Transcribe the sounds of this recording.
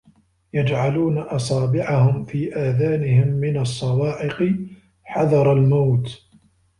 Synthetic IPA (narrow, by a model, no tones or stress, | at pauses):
jad͡ʒʕaluːnaʔɑsˤaːbɪʕahʊmfiːʔaːðaːnɪɦɪmːɪnɑsˤːɑwɑːʔɪqɨ | ħɑðɑɾˤɑlmawt̪